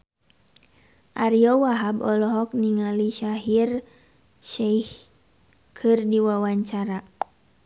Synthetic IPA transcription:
ʔaɾiɔwaɦabɔlɔɦɔk̚niŋaliʃaɦir | ʃaih | kʰɨrdiwawaɲt͡ʃaɾa

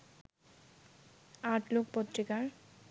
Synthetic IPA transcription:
aʈlok̚pot̪ːɾikaɾ

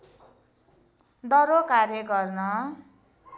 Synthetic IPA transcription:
d̪ʌɾokaɾjʌkʌrnʌ

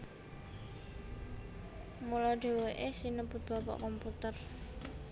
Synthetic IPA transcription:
mulɔɖ̥e̤weʔesinəbʊt̪̚b̥ɔpɔ̰ʔkɔmput̪ər

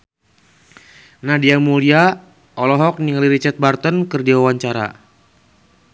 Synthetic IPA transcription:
nahdiamulia | ɔlɔɦɔk̚niŋaliɾit͡ʃat̪̚bart̪ənkɨrdiwawaɲt͡ʃaɾa̰

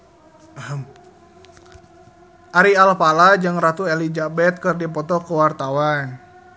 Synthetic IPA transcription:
ʔaɾialpalad͡ʒɨŋrat̪uelid͡ʒabɛt̪̚kərdipɔt̪ɔkəwart̪awan

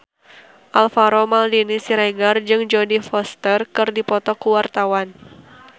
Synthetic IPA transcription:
ʔalfaɾɔmaldinisiɾeɡard͡ʒɨŋd͡ʒɔdifɔst̪ərkɨrdipɔt̪ɔkuwart̪awan

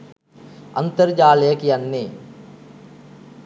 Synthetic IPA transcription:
ɐ̃nt̪əɾd͡ʒaːleəkijɐnːeː

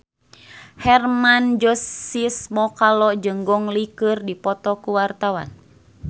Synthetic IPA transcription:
hɛrmand͡ʒɔsismɔkalɔd͡ʒɨŋɡɔŋlikɨrdipɔt̪ɔkuwart̪awa̰n

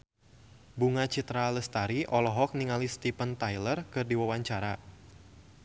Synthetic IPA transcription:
buŋat͡ʃit̪ɾaləst̪aɾiʔɔlɔɦɔk̚niŋalist̪ipənt̪ajlərkɨrdiwawaɲt͡ʃaɾa

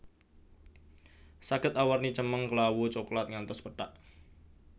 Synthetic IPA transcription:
saɡ̥ət̪awarnit͡ʃəməŋkəlawut͡ʃoklat̪̚ŋant̪ɔspəɖ̥aʔ

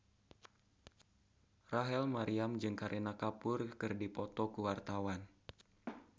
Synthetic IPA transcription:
raɦɛlmaɾiamd͡ʒɨŋkaɾʔenakapʊrkɨrdipɔt̪ɔkuwart̪awan

